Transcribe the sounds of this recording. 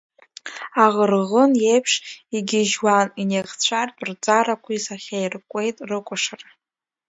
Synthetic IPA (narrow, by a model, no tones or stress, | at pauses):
aʁərʁənjejpʰʂiɡʲɪʒwanineʁt͡sʷʰartʼrd͡zʼaɾakʷʰisaχʲajrkʷʼejtʼrɨkʷʼʊʂɨr